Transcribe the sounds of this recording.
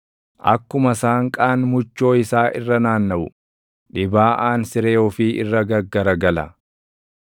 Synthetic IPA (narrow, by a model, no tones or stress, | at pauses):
ʔɐ̰kːʊmɐsaːŋkʼaːnmʊt͡ʃːo̞ːɪsaːʔɪrːɐnaːnːɐʔʊ̰ | ᶑɪbaːʔaːnsɪɾeːɔfiːʔɪ̰rːɐɡɐɡːɐɾɐɡɐlɐ̰